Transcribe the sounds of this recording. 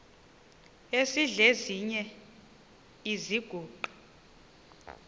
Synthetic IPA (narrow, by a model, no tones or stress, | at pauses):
esiɮeziɲɛ | iziɡ̥ʱuːǃḁ